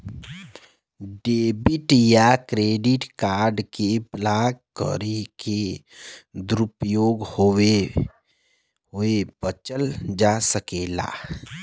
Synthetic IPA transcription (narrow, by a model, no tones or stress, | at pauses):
ɖeːbɪʈjakɾeːɖɪʈkaːɾɖkeblaːkkə̰ɾeke | d̪ɾʊpjoːɡhoe | ɦoebət͡ʃəld͡ʒaːsəkeːla̰ː